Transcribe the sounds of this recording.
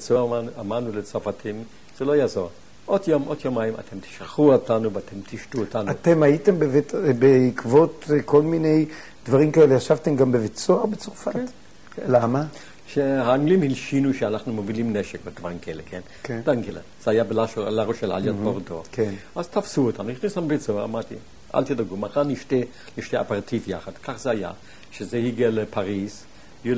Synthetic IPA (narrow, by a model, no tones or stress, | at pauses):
t͡soamanulet͡safatʰim | z̥elojazoʁ | ʔod̪jomʔodjomajima̰t̪ʰemt̪i̥ʃʁaχuot̪anuvat̪ʰemt̪iʃtuotanuat̪e̞maite̞mbevtbeikvo̞t̪ko̞lmine̞j | d̥̪vaʁimkaelejaʃavtemɡambevet͡soaʁbet͡soʁfat̪ | lama | ʃehaːŋɡlimhilʃinuʃeanaχnumovilimneʃekbed̪vaʁimkaelekʰen | kd̥̪aŋkelez̥eajabelaʃlaʁoʃela̰ljad̪̚boʁdokʰenazt̪afsuot̪anuχisamvit͡soaʁa̰maʁt̪i | ʔa̰lt̪idaɡumaχaʁniʃte | liʃteapaʁt̪ʰifja̰χad̪̥kʰaχz̥eaja̰ | ʃezehiɡelepʰaʁis | ju